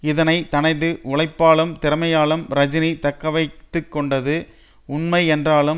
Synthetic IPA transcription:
ɪðɐnɐɪt̪ɐnɐɪðɯʔʊɭɐɪpːaːɭɯmt̪ɪɾɐmɐjaːɭɯmɾɐd͡ʒɪnit̪ɐkːɐʋɐɪt̪ːɯkːɔɳɖɐðɯ | ʊnmɐɪɛndraːlɯm

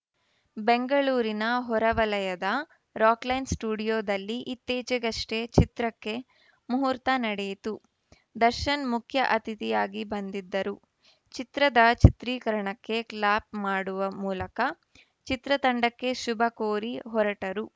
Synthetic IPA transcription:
be̞ŋɡɐɭuːɾinɐɦɔɾɐʋɐlɐjɐd̪ɐ | ɾaːklɐjnsʈuːɽijoːd̪ɐlːiʔit̪ːeːd͡ʒɛɡɐʂʈet͡ʃit̪ɾɐkːe̞ | muɦuɾt̪ɐnɐɽeːt̪u | d̪ɐɾʃɐnmukʰjɐʔɐt̪ʰit̪ijaːɡibɐnd̪id̪ːɐɾu | t͡ʃit̪ɾɐd̪ɐt͡ʃit̪ɾiːkɐɾɐɳɐkːe̞klaːp̚maːɽuʋɐmuːlɐkɐ | t͡ʃit̪ɾɐt̪ɐɳɖɐkːe̞ʃubʱɐkoːɾiɦɔɾɐʈɐɾu

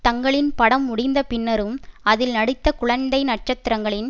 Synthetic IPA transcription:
t̪ɐŋɡɐɭɪnpɐɽɐmːʊɽɪnd̪ɐpɪnːɐɾɯmɐðɪlnɐɽɪt̪ːɐkʊɻɐnd̪ɐɪnɐʈ̚t͡ʃɐt̪ːɪɾɐŋɡɐɭɪn

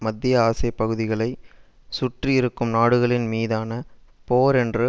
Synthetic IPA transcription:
mɐd̪ːɪjɐaːsɐɪpːɐɣɯðɪɣɐɭɐɪ | sʊʈrijɪɾɯkːɯmnaːɽɯɣɐɭɪnmiːðaːnɐpoːɾɛndrɯ

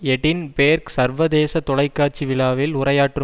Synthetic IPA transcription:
ɛɽɪnpeːɾksɐɾʋɐðeːsɐt̪ɔɭɐɪkːaːɾt͡ʃːiʋɪɭaːʋɪlʊrɐjaːʈrɯ

